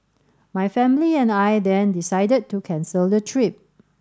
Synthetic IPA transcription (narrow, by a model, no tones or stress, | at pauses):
majfɛ̃mliɛ̃najdɛ̃ndisajdəd̚tukʰɛ̃nsəldətʰɹip̚